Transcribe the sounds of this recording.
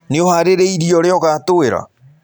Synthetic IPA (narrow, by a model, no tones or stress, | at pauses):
neohaɾeɾeiɾiɔɾeɔɣatoeɾa̰